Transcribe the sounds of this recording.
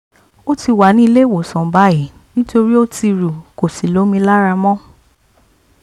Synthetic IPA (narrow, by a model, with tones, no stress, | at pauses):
o˦ti˧wa˨nĩ˦i˧le˦wo˨sɔ̃˨ba˨˦i˨ | nĩ˦to˧ɾi˦o˦ti˧ɾu˨ko˨si˨lo˨˦mĩ˧˦la˦ɾa˧mɔ̃˦